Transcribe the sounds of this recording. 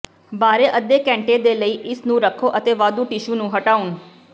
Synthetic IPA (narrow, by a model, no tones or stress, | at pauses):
baːɾeːʔəd̪eːkɛ̃ːɳʈeːd̪eːləiːʔɪsnũːɾəkʰoːʔət̪eːʋaːd̪uːʈɪʃuːnũːɦəʈaːʊn